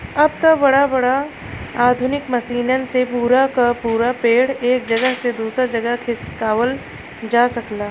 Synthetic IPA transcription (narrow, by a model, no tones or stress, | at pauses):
ɐbt̪ɐbɐɽabɐɽa | aːd̪ʱʊnɪkmɐʃiːnənsepuːɾakapuːɾapeːɽeːkd͡ʒɐɡəɦsed̪uːsɾad͡ʒɐɡəɦkʰɪskaːʋəl | d͡ʒaːsɐklaː